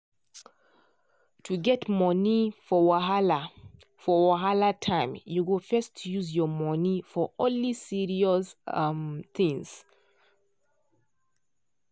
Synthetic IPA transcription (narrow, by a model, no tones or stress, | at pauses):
tʰuɡɛtmɔnifɔwaɦala | fɔwaɦalatʰãɪ̃mjuɡofɛstʰjuzjɔmɔnifɔʔɔ̃nlisiɹiɔsmt̪ĩŋs